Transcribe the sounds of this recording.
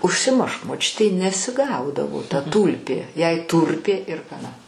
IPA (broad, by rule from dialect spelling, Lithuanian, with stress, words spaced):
ʊʃʲsʲɪˈmʊʃk moːˈt͡ʃʲʊtʲɛɪ nʲɛsʲɪˈɡɐʊdɐʋoː tɐ ˈtuːlʲpʲeː jɛɪ ˈtuːrʲpʲeː ɪr xɐˈnɐ